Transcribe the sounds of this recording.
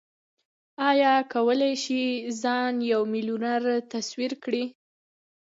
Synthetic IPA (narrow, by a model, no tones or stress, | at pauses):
ɑjɑkawəlajʃizɑnjawmɪlunaɾt̪aswiɾkɽi